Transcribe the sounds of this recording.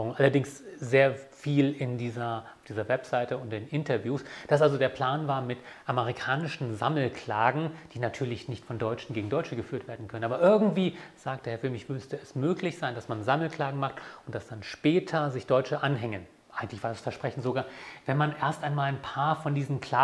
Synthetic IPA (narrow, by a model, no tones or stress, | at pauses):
ʊŋʔalɐdɪŋszeːɐfiːlɪndiːzɐʊfd̥iːzɐvɛpz̥aɪtəʊntdɪnɪntɐvjuːsd̥asʔalzodeːɐpʰl̥aːnvaːɐmɪtʔaməʁikʰaːnɪʃn̩za̰ml̩kʰl̥aːɡŋ̩d̥iːnatʰyːɐlɪçnɪçtfɔndɔʏt͡ʃn̩ɡeːɡŋ̩dɔʏt͡ʃəɡəfyːɐtv̥eːɐdn̩kʰœnənʔaːbɐʔɪɐɡŋ̩tv̥iːz̥aːk̚td̥eːhɛɐfɪlmɪçmʏstəɛsmøːklɪçz̥aɪndasmanzaml̩kl̥aːɡŋ̩maχtʊntd̥asd̥anʃpɛːtʰɐzɪçd̥ɔʏt͡ʃəʔanɦɛŋən | ʔaɪɡŋ̩tlɪçv̥aːɐdasfɛɐʃpʁ̥ɛçn̩tz̥oɡaːɐvɛnmanʔeːɐstaɪnmaːlaɪnpʰaːɐfɔndiːzn̩kʰl̥aː